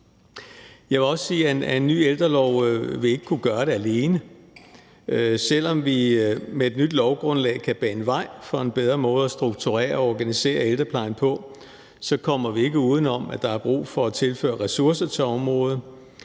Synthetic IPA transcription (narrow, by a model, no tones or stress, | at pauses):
jɑ̈ɪʋe̝lɒ̽ssiːænːy̰ːeld̥ʁɐlɒʊ̰ʋe̝le̝ɡ̥əkʰuɡ̥ɶɐɾe̝æle̝ːnə | øsel̰ɒ̽mʋimeːd̥nyd̥lɒʊɡ̥ʁɔ̽nlɛ̰ɪkʰæb̥ɛ̰ːenʋɑ̈ɪ̰fɒ̽e̝nb̥eð̞ˠʁɐmɔ̽ːð̞̩ˠɒ̽sd̥ʁuɡ̥̚t͡sʰuʁɛ̰ːɐɒɒɡ̥ænise̝̰ːɐeld̥ʁɐpʰlɑ̈ɪ̰n̩pʰɒ̽ | sɒ̽kʰɒ̽m̰ɐʋie̝ɡ̥əuːð̞ˠn̩ɒ̽mæd̥ɑ̈æɐb̥ʁṵːfɒ̽æt͡sʰe̝lfø̰ːɐʁɛsuɐsɐt͡sʰe̝lɒ̽mʁɔ̽ːð̞̩ˠ